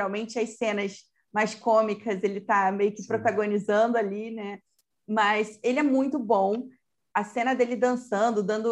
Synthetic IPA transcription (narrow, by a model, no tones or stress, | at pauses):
ɾawmẽnt͡ʃɪɐsẽnɐs | majskõmikɐzelɪt̪amejʊkɪpɾot̪aɡonizɐ̃nd̪ʊalinɛ | mɐselɪɛmũj̃t̪ʊbõw̃ | ɐsẽnɐd̪elɪd̪ɐ̃sɐ̃nd̪ʊd̪ɐ̃nd̪ʊ